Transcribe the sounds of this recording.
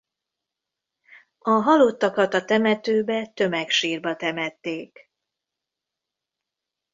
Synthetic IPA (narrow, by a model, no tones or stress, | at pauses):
ɒɦɒlot̪ːɒkɒt̪ɒt̪ɛmɛt̪øːbɛt̪ø̞mɛkʃiːrbɒt̪ɛmɛt̪ːeːk